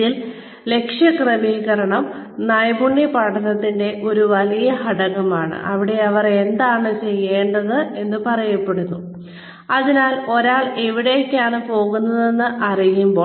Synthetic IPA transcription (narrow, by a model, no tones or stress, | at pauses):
il | le̞kʂjɐkremiːɣɐɾɐɳɐmnɐjbuɳːipɐʈɐnɐt̪ːinde̞ʔo̞ɾuʋɐlijɐɦɐɽɐɣɐmaːɳɨ̰ʔɐʋiɽe̞ɐʋɐre̞nd̪aːɳɨt͡ɕe̞jːe̞ːɳɖɐðɨe̞nːɨpɐrɐjɐpːe̞ɽunːu | ɐðinaːlo̞ɾaːɭeʋiɽejkʲːaːɳɨpo̞ːɣunːɐðe̞nːɨʔɐrijumbo̞ː